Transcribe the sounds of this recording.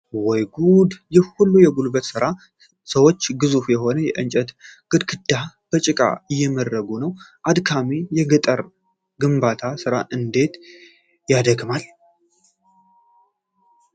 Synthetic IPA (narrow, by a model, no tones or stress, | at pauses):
wɔjɡud̪jɛhulːujɛɡulbət̪sɨɾa | səwot͡ʃːɡɨzufjɛho̞nəjɛʔɨnt͡ʃʼət̪ɡ̥ɨd̪kʰɨd̪ːa | b̥ət͡ʃʼɪkʼa̰ɨjːɛməd̪ːəɡunəwʔad̪kʰamejɛɡət̪ʼəɾ | ɡɨmbat̪ʰasɨɾaʔɨnd̪e̞t̪ | jad̪əɡmal